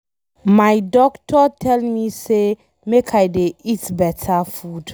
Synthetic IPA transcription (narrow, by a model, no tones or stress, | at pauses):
majdɔktʰɔtʰɛlmise | mekʰajdeitbɛtʰəfud